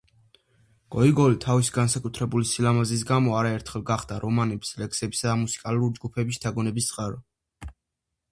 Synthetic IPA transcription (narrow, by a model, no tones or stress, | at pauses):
ɡ̥ɔiɡɔlit̪ʰavisiɡansakʼut̪ʰɾɛbulisilamazis̬ɡamɔaɾaɛɾt̪ʰχɛlˠɡaχd̪aɾʔɔmanɛbslɛksɛbisad̪amusi̥kʼaluɾid͡ʒɡupʰɛbisd̪ʰaɡɔnɛbist̪sʼqʼaɾɔ